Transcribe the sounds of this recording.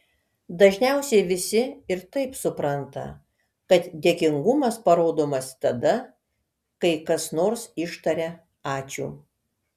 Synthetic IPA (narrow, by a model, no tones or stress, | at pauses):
d̪ɐʒʲnʲæˑʊsʲɛɪʋʲɪsʲɪɪɾt̪ɐɪpsʊpɾɐnt̪ɐ̰ | kɐt̪d̪ʲeːkʲɪŋɡʊmɐspɐɾoːd̪oːmɐst̪ɐd̪ɐ | kɐɪkɐsnoːɾsɪʃt̪ɐɾʲɛ | ɑːt͡ʃʲṵː